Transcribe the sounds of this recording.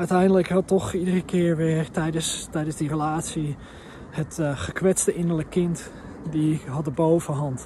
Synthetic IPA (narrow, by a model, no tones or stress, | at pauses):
œɥtɛjndələkhɑtɔχidərəkʰɪːɹʋɪːɹtɛjdəstɛjdənzdirəlaːtsi | hətχəkʋɛstəʔɪnəɹləkːɪnt | diɦɑdəbowvəɦɑnt